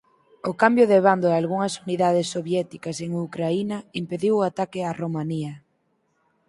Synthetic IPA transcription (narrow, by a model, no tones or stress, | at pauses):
ʊkambjoðeβand̪oalɣuŋɐsuniðað̞esːoβjɛt̪ikɐseŋukɾainɐimpeðiwat̪akɪaromaniɐ